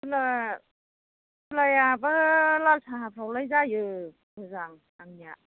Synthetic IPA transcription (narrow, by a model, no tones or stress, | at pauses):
ɯla | ɯlajabalalsʰaɦapʰɾawlajzajɯ | ɯzaŋ | aŋnija